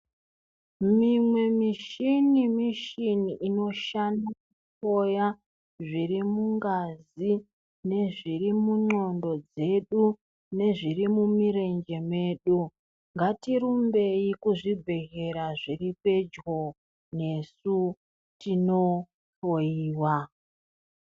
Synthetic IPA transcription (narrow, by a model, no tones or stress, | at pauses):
mimwe̞miʃinimiʃiniʔino̞ʃanakuto̞ja | ʐirimuŋɡazi | ne̞ʐirimuɲo̞ndo̞d͡ze̞ɗu | ne̞ʐirimumiɾe̞nd͡ʒe̞mwe̞ːɗu | ŋɡatiɾumbe̞ikuʐibʱe̞ɣe̞ɾaʐiripe̞d͡ʒɣo̞ | ne̞su | tino̞ | toiːwa